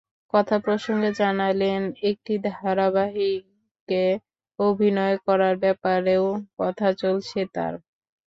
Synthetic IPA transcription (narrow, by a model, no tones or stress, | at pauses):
kɔt̪ʰapɾoʃoŋɡed͡ʑanalenek̚ʈid̪ʱaɾabaɦi | ke | obʱinɔekɔɾaɾbɛpaɾeokɔt̪ʰat͡ɕolt͡ɕʰet̪a̰ɾ